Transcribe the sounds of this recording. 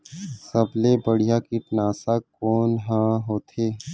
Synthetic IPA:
səblebəɽijakiʈnaːsakɔːnɦãːɦoːt̪ʰeː

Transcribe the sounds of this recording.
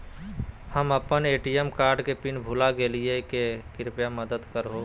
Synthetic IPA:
həməpəneʈijemkaɾɖkepinbʱulaɡelijekekɪɾpjaməd̪əd̪kəɾɦo

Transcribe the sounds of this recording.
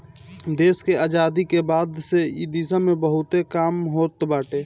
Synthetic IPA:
d̪eːskeaːd͡ʒaːd̪ikebaːd̪seid̪iːsamẽbəɦʊt̪ekaːmɦoːt̪baːʈeː

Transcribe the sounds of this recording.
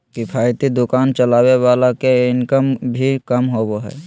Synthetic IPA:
kipʰaːɪt̪id̪ʊkaːnt͡ʃəlaːwewaːlakeɪnkəmbʱikəmɦoːboɦɛ̰ː

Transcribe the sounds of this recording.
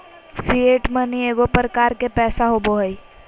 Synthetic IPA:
sieʈmənieːɡopɾəkaːɾkepɛːsaɦoboɦəi

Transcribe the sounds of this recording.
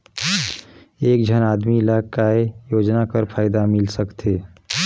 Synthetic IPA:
eːk̚d͡ʒʱənaːd̪milaːkaejoːd͡ʒnakəɾpʰaːɪd̪amɪlsəkt̪ʰeː

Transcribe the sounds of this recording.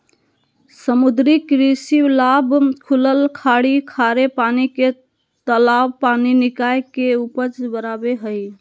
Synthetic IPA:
səmud̪ɾikɾisiwlabkʰuləlkʰaɽikʰaɾepanike | t̪əlawpaninikajkeupət͡ʃbəɾabeɦəj

